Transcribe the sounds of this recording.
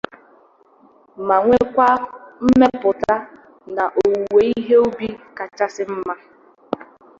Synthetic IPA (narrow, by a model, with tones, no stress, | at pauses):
ma˨ŋʷe˦kʷa˦m̩˦me˦pʊ˨ta˦ | na˨ʔo˨we˨˦i˦ɦe˦o˦bi˦ka˨t͡ʃa˦sɪ˦m̩˦ma˦